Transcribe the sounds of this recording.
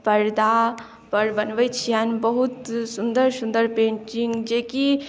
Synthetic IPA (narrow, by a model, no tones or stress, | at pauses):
pɐɾd̪a | pɐɾbɐnʋəjt͡ʃʰijanbəɦut̪sund̪əɾsũnd̪əɾpẽːt͡ʃĩŋɡd͡ʒeːki